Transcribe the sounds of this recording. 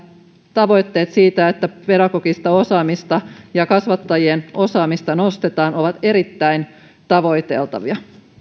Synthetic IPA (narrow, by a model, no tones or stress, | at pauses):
t̪ɑʋo̞jt̪ːe̞ːt̪siːt̪æet̪ːæpeɾɑkokist̪ɑosɑːmist̪ɑjɑkɑsʋɑt̪ːɑjienʔo̞sɑːmist̪ɑnost̪et̪ɑːno̞ʋɑt̪eɾit̪ːæin | t̪ɑʋo̞jt̪e̞̰lt̪ɑ̰ʋiɑ